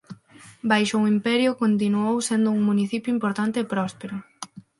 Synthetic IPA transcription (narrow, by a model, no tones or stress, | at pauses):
bajʃʊŋimpɛɾjʊkont̪̬inuowsend̪ʊuŋmuniθipjʊimpoɾt̪ant̪eːpɾɔspeɾʊ